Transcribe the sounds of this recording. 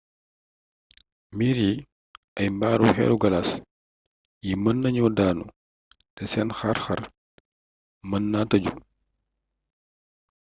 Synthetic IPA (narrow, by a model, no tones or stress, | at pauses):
miɾi | ɐjmbaːɾuxɛ̰luɡɐlas | jimənːɐɲɔdaːnu | tɛsɛnxɐɾxɐr | mənːatɐɟu